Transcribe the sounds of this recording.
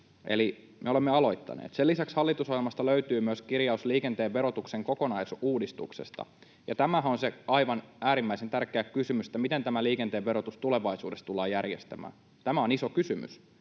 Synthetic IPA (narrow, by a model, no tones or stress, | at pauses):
ʔe̞̰li | mʔeo̞lemːeɑlo̞it̪ːɑ̰nḛːt̪selːisækshɑlːit̪usohjelmɑst̪ɑløyt̪yːmyøskirjɑusliːkent̪eːʋʋe̞ɾot̪ukseŋkoko̞nɑisuːdist̪uksest̪ɑ̰ | jɑt̪æmæɦæonseɑiʋɑnæːɾimːæisent̪ærkˑeækysymysĕ̥t̪ːæmit̪ent̪æmæliːkent̪e̞ːʋʋeɾot̪ust̪ule̞ʋɑisuːdest̪t̪ulːˑɑːjærjest̪æmæ̰ːn | t̪æmæoniso̞kysymy̰s